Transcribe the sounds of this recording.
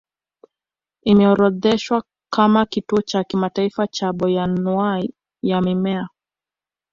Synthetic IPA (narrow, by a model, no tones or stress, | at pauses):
imɛɔɾɔðɛʃwa | kamakituɔt͡ʃakimataifat͡ʃaɓɔjanua | jamimɛa